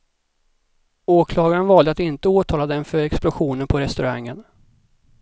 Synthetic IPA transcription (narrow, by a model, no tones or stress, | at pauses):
oːkʰlɑːɡaɾənvɑːld̪əat̪ɪnt̪əoːt̪ʰɑːlad̪əɛnfœɾɛksplʊɧuːnənpʰɔɾɛst̪ɵɾaŋːən